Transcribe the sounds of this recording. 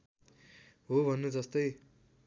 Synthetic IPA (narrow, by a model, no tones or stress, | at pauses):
ɦobʱʌnːed͡zʌst̪ʌj